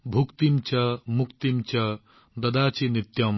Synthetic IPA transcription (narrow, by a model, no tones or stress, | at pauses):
bʱukt̪imt͡ʃɐmukt̪imt͡ʃɐ | d̪ɐd̪aːt͡ʃinit̪jɐm